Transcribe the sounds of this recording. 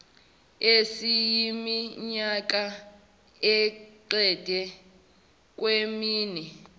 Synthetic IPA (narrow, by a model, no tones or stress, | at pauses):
esijimiɲak̬ʼa | ɛǃɛd̥ʱɛ | k̬ʼwemiːnɛ